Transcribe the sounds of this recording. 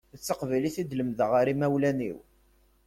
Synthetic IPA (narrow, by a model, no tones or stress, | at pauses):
ət͡sːəqvæliθid̪ləmðəʁaɾimæwlænḭw